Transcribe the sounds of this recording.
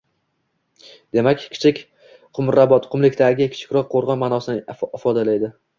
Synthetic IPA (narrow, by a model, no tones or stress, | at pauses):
d̪e̞makʲkʲʰɪ̥t͡ʃʰɪkʲ | qʰʊmɾabɒt̪qʰʊmlɪkʲt̪ʰaɡʲɪkʲʰɪ̥t͡ʃʰɪ̥kʲɾɒqʰːoɾʁɒnmaːnɒsɪnɪfɒd̪alajd̪ɪ